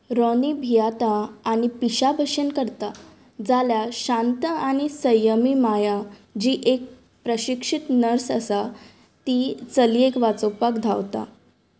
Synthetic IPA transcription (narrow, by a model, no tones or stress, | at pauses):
ɾɔnibʱijat̪aːɽ̃ipiɕabʱəɕənkəɾt̪a | d͡zaljaɕãnt̪əaɽ̃ñisəjəmimajad͡ʑiːʔek̚ | pɾəɕikʂit̪nəɾsəsa | t̪it͡səliekʋat͡sopakd̪ʱawt̪a̰